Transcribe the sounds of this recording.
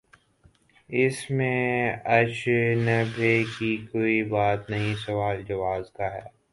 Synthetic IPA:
ɪsmẽɐt͡ʃnɐbʱekikoːibaːt̪nɐɦĩsɐʋaːld͡ʒɐʋaːzk̪aɦɛ̰ː

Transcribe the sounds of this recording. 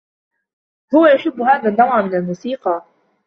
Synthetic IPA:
hʊwajaʃʊbːʊhaːðanːawaːmɪnalmuːsiːqɑ

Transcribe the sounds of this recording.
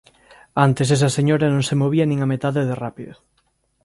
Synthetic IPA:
ant̪eses̬ɐseɲoɾɐnõŋsemoβiɐnĩŋamet̪aðeðerapiðʊ

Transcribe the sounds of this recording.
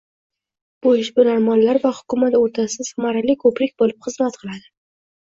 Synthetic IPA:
b̥ʊɪʃbʊnaɾmanlaɾvahʊ̥kʊmat̪oɾt̪ʰasɪzʊmaɾalɪkʰɵpɾɪkʲbolɪpχɨzmat̪qʰɨlˠad̪ɪ

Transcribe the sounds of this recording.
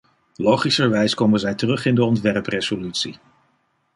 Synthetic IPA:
lowχisəɹʋɛjskowmənzɛjtərɵχɪndəɔntʋɛrprez̥olytsi

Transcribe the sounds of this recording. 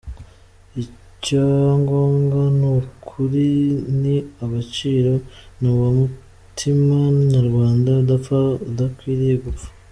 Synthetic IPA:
i | caŋɡo̞ːŋɡanukʰuɾiniaβat͡ʃiːɾonuwamu | tʰimanaɾɡwaːndaudafaudakwiːɾijeɡufḁ

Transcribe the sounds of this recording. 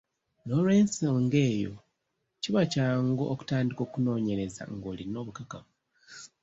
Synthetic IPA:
no̞lwe̞ːnsoːŋɡe̞ːjo̞̰ | ciβacaːŋɡoːku̥taːndiko̞ːkuno̞ːɲe̞ɾe̞za̰ŋɡo̞ːlino̞ːβukakaβu

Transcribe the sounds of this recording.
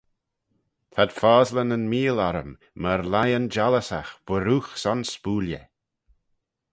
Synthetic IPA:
t̪ʰad̪̥faːzlənənmiːlaɾə̰mː | əɾlajənd͡ʒaləsa̰xb̥əɾuːxsɔnspuːljə̰

